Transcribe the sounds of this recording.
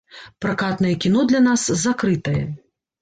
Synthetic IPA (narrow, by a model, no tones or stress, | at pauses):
pɾakat̪nɐjɛkʲin̪ɔd̪lʲɐnaszakɾɨt̪ɐjɛ̰